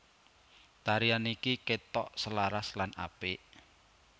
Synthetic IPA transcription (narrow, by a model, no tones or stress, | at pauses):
t̪aɾianikiket̪ɔʔsəlaɾaslana̰peʔ